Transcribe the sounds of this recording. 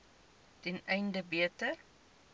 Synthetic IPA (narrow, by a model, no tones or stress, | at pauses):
tɛnɛjndəbiətə